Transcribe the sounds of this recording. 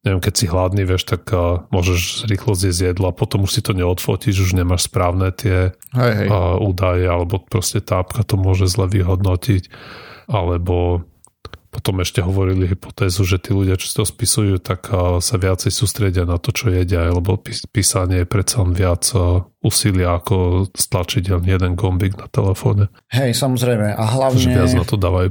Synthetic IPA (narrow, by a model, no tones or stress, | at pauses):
ɲɛʋjɛmkɛcsiɦlad̪niʋɪɛʃt̪aɡmʊɔʒɛʒɾiːxlɔzjɛzjɛd̪lɔapɔt̪ɔmuʃsit̪ɔɲɛɔt̪fɔ̰ciʒuʒɲɛmaʃspɾaːʊnɛt̪ɪɛ | ɦɛɛuːd̪ajɛalɛbɔpɾɔscɛt̪apkat̪ɔmʊɔʒɛzlɛʋiɦɔd̪nɔcic | alɛbɔ | pɔt̪ɔmɛʃcɛɦɔʋɔɾiliɦipɔ̥t̪ɛːzuʒɛt̪iːluɟɪat͡ʃɔ̥si̥t̪ɔspisujut̪akːsaʋɪat͡sɛjsuːst̪ɾɛɟɪanat̪ɔt͡ʃɔjɛɟɛajlɛbɔpipiːsaɲɛjɛpɾɛt̪t͡salɛnʋɪad͡zuːsilɪaːkɔst̪lat͡ʃicɛʎnijɛd̪ɛnɡɔmbiɡnat̪ɛlɛfɔ̰ːɲɛ | ɦɛjsamɔzɾɛjmɛʔaɦlaɲʒɛɪad͡znat̪ɔd̪aːʋaju